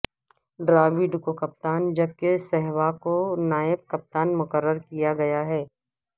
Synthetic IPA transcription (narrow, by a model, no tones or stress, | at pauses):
ɖɾaːʋiɖkokɐp̚t̪aːnd͡ʒɐb̚kesɛɦʋakonaːɪb̚kɐp̚t̪aːnmʊkəɾːəɾkijaɡɐjaɦɛː